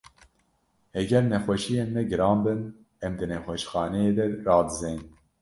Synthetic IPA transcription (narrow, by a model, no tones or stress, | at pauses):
hɛɡɛɾnɛxʷɛʃijeːnmɛɡɨɾɑːnbɨn | ɛmd̪ɨnɛxʷɛʃxɑːnejeːd̪ɛrɑːd̪ɨzejn